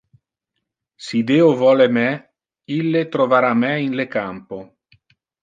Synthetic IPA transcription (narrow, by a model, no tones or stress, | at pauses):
sid̪eːovɔːlemɛ | ilːet̪ɾovaɾamɛinlekampo